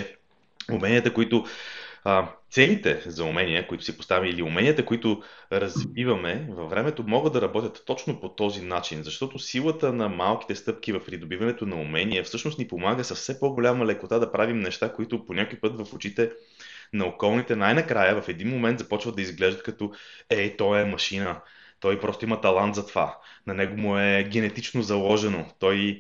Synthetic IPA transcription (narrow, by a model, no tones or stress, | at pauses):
umɛniət̪əkoit̪ʊ | t̪sɛlit̪ɛzɐʊmɛniəkoit̪ʊ̥sipost̪avʲiiliumɛnʲiət̪əkoit̪ʊɾɐzvivɐmɛvɐvːɾɛmɛt̪omɔɡəd̪ɐɾɐbɔt̪ʲjət̪ːɔt͡ʃnopot̪ɔzinat͡ʃinzɐʃt̪ɔt̪osilˠət̪ənɐmalˠk̟i̥t̪ɛst̪ɤp̚k̟ivɐfpɾid̪obivɐnɛt̪onɐumɛniɛfsɤʃnost̪nipomaɡəsɐssɛpoɡolʲaməlɛkot̪ad̪ɐpɾavimnɛʃt̪akoit̪ʊponʲakojpɤt̪vɐfot͡ʃit̪ɛ | nɐokɔlˠnit̪ɛnajnɐkɾajəvɐfɛd̪inmomɛnt̪zɐpɔt͡ʃvəd̪ɐizɡlɛʒd̪t̪̚kɐt̪ɔɛt̪ɔɛmɐʃinə | t̪ɔjpɾɔst̪oimɐt̪ɐlˠant̪zɐt̪ova̰ | nɐnɛɡomʊɛɡ̟ɛnɛt̪it͡ʃnozɐlˠɔʒɛnot̪ɔj